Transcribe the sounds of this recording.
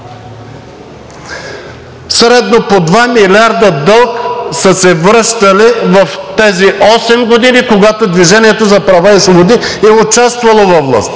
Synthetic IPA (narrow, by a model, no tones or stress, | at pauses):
sɾɛd̪nopod̪vamilʲaɾd̪əd̪ɤlˠksəsɛvɾɤʃt̪ɐlivɐft̪ɛziʔɔsɛmɡod̪inikoɡat̪od̪viʒɛniɛt̪ozɐpɾɐvaisvobod̪iɛʊt͡ʃast̪vɐlˠovɔvlˠa̰st̪